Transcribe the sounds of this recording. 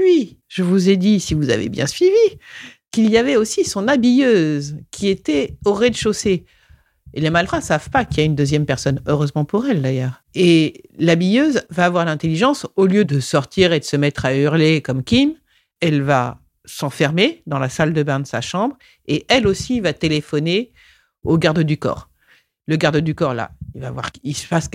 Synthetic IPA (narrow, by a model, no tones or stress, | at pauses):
ɥiʒ̥əvuzed̪isivuza̰vḛbjɛ̰̃sɥivi | kiljavɛosisɔ̃nabijøzkʲʰiet̪ɛɔʁed̪əʃose | elemalfʁɛ̃savpakiaynd̪øzjɛmpɛʁsɔnøʁøzmɑ̃puʁɛld̪ajœːʁ | elabijøzvaːvwaʁlɛ̃t̪eliʒɑ̃soljød̪əsɔʁt̪ʰiʁed̪əsəmɛt̪χayʁlekɔmkʲim | ɛlva̰ | sɑ̃fɛʁmed̪ɑ̃lasald̪əbɛ̃nd̪əsaʃɑ̃bʁ | eʔɛlosivat̪elefɔne | oɡaʁd̪əd̪ykɔ̰ːʁ | ləɡaʁd̪əd̪ykɔʁla̰ilvavwa̰ʁisfas